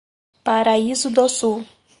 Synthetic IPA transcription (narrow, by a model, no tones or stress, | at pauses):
paɾaizʊd̪osu